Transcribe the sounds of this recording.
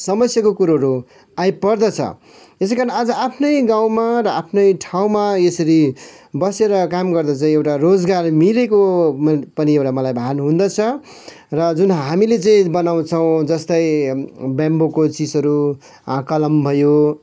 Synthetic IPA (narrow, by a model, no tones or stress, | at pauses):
sʌmʌsjakokuɾaɦʌɾu | ajpʌrd̪ʌt͡sʰʌ̰ | es̬kaɾʌnad͡zʌʔapʰnʌjɡaw̃marʌapʰnʌjʈʰaw̃maesʌɾi | bʌseɾʌkamɡʌrd̪ʌt͡saĩewʈarod͡zɡarmileko | pʌniewʈamʌlajbʱaɦanɦũnd̪ʌt͡sʰʌ | rʌd͡zunɦamilet͡saĩbʌnaw̃t͡sʰʌw̃d͡zʌst̪ʌjbjambokot͡sid͡zʌɾu | ãkʌlʌmbʱʌjo